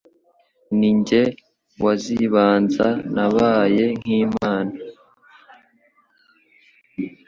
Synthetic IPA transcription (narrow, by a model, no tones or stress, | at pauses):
niɲɟe̞ | waziβaːnzanaβaːje̞ŋ̥iːmaːna